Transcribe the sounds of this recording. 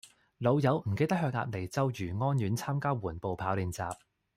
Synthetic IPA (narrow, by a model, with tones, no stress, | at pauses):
lo˨˧wjɐ˨˥wm̩˨˩ke˧jt̪ɐ˥k̚ɦœː˧k̚ŋa̰ː˧t̚le˨˩jt͡sɐ˥wjyː˨˩ŋɔː˥njyː˨˥nt͡sʰaː˥mkaː˥wuː˨˩npo˨wpʰaː˨˥wliː˨˧nt͡sa̰ː˨p̚